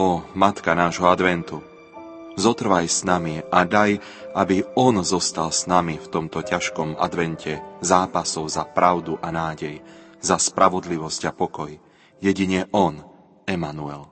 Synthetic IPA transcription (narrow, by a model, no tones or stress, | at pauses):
ɔmat̪kanaːʒɦɔad̪ʋɛnt̪u | zɔt̪r̩ʋajsnamiʔad̪aj | abiɔnzɔst̪alsnamift̪ɔmt̪ɔcaʃkɔma̰d̪ʋɛncʰɛzaːpasɔʊzapɾaʊd̪uʔanaːɟɛjzaspɾʔaʋɔd̪liʋɔscapɔkɔj | jɛɟiɲɛʔɔn | ɛmanuɛl